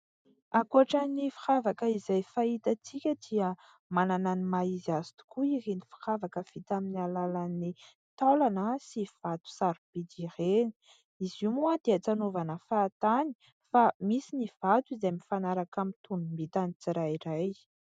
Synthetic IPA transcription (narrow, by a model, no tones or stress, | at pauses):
akuaʈ͡ʂanifi̥χavakəizajfait̪at͡sikʲəd̪̥iə | manananimaiziazi̥t̪u̥kuirenifi̥χavakəv̥it̪aminialalani | t̪olanəsiv̥at̪u̥saɾib̥id̪iɾeni̥ | izumuad̪̥eət͡sanovanəfaːt̪ani̥ | famisiniv̥at̪uizamifanaɾakamint̪unumbit̪anit͡siɾajiɾaj